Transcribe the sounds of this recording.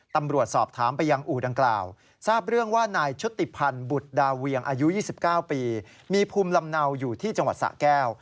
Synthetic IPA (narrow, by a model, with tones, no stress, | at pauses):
t̪a˧mɾu˨˩ət̪̚sɔː˨˩p̚t̪ʰaː˩˦mpa˧jːa˧ŋʔuː˨˩da˧ŋkla̰ː˨˩w | saː˥˩p̚ɾɯ˥˩əŋwaː˥˩naː˧jt͡ɕʰu˦˥t̪ːi˨˩pʰa˧nbu˨˩t̪̚daː˧wi˧əŋʔaː˧ju˦˥jiː˥˩si˨˩p̚kaː˥˩wpiː˧ | miː˧pʰuː˧mla˧mna˧wjuː˨˩t̪ʰiː˥˩t͡ɕa˧ŋwa˨˩t̪̚sa̰˨˩kɛː˥˩w